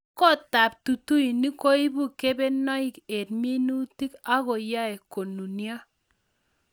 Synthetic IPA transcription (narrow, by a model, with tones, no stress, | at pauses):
kɔ˦˨ta˨p̚tu˨tu˦i˨ni˦ko˦i˦bu˦ke˦bɛ˦nɔ˦i˦ke˨t̚mi˦nu˦ti˦ka˦kɔ˨ja˦ɛ˨ko˨nu˨nja˦